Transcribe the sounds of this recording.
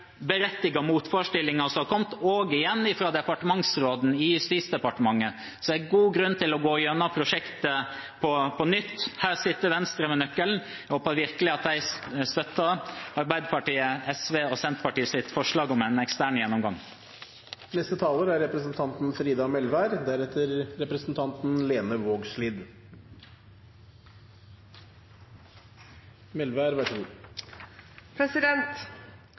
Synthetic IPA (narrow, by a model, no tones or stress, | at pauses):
bəɾɛt̪ːɪɡɑmuːt̪fɔɾʂʈɪlːɪŋɑsɔmɑkʰɔmt̪oːɡɪjɛnːɪfɾɑːd̪ɛpɑʈəmɑŋsɾoːd̪n̩ɪjʉst̪iːt̪sd̪ɛpɑʈəmɑŋːə | sɔd̪æɪɡuːɡɾʉnːt̪ʰɪlɔɡoːjœnːɑpʰɾʊʂɛkt̪ə | pʰɔpʰɔnʏt̪ːhæːɾsɪt̪ːəɾʋɛnst̪ɾəmɛnœkːəln̩ | hoːpɑʋɪɾkəlɪɑt̪̚d̪æɪst̪œt̪ːəɑɾbæɪd̪əpʰɑʈiːəɛsʋeːoːsɛnt̪pʰɑʈiːəsɪt̪ːfɔʂɭɑːɡɔmæɪnɛkst̪æːɳjɛnːɔmɡɑŋ | nɛst̪ət̪ʰɑːləɾæɾɾɛpɾəsn̩t̪ʰɑnt̪n̩fɾiːd̪ɑmɛlʋæɾd̪æɾɛt̪əɾɾɛpɾəsn̩t̪ʰɑnt̪n̩leːnəʋoːɡʂliːd̪ | mɛlʋæːɾʋæʂɡu | pʰɾɛsɪd̪ɛnt̪